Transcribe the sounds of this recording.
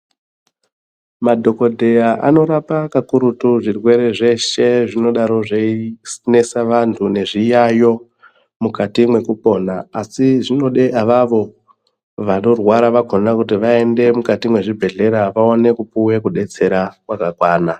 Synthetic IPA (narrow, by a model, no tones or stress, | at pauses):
madʱo̞ko̞dʱe̞jaʔa̰no̞ɾapakakuɾutuʐirwe̞ɾe̞ʐe̞ʃe̞ʐino̞ɗaɾo̞ʐeisne̞saʋantʰune̞ʐijajo̞ | mukatimwe̞kupo̞naasiʐino̞ɗeʔaʋaʋo̞ | ʋano̞rwaɾaʋaɡʱo̞nakutiʋae̞nde̞mukatimwe̞ʐibʱe̞ɮe̞ɾaʋaone̞kupuwe̞kuɗe̞t͡se̞ɾakwakakwaːna